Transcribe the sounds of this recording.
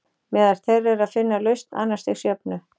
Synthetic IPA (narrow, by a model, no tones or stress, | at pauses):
mɛːðaɾ̥θɛrɛɾaðfɪnːalœɥst̪nʔa̰nːḁst̪i̥sjœpnʏ